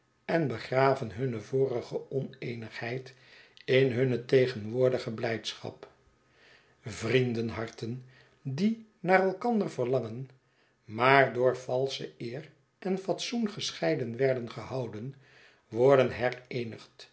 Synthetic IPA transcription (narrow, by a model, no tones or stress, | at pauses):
ɛnbəχraːvənɦɵnəvoːrəχəɔnejnəχhɛjt | ɪnɦɵnətejχənʋʊːɹdəχəblɛjtsχɑ̰p | vrindənɦɑɹtən | dinaːrɛlˠkɑndəɹvərlɑŋən | maːɹdʊːɹfɑlˠsəɪːr | ʔɛnfɑtsunχəsχɛjdənʋɛɹdənχəhɑwdən | ʋɔɹdənɦɛrejnəχt